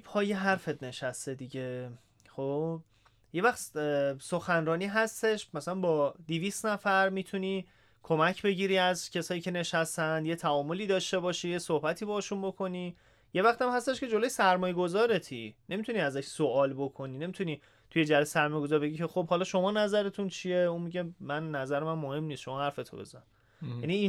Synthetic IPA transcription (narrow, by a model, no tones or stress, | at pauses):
pʰɒːjeɦæɾfe̞d̪ne̞ʃæst̪e̞d̪iɟe̞ | χob̥̚ | je̞væxt̪so̞xænɾɒːniːɦæst̪e̞ʃmæsælænbɒːd̪iviːst̪næfæɾmit̪ʰuniː | kʰo̞mæcʰbe̞ɟiːɾiːæzcʲʰe̞sɒːjiːcʰe̞ne̞ʃæst̪ænd̪je̞t̪ʰæɒːmoliːd̪ɒːʃt̪e̞bɒːʃiːjesohbæt̪ʰiːbɒːʃunbo̞kʰo̞niː | je̞væxt̪æmhæst̪e̞ʃkcʰe̞d͡ʒo̞lo̞jesæɾmɒːjeɡo̞zɒːɾe̞t̪ʰḭne̞mit̪ʰuniæzæʃsoʔɒːlbo̞kʰo̞niːne̞mit̪ʰuniː | t̪ʰuje̞d͡ʒæɾesæɾmɒːjeɡo̞zɒɾbeɟiːcʰe̞xobhɒlɒːʃo̞mɒːnæzæɾe̞t̪ʰunt͡ʃʰie̞unmiɟe̞mænːæzæɾemænmohe̞mnist̪ʃo̞mɒːhæɾfet̪ʰobe̞̰zæ | jænii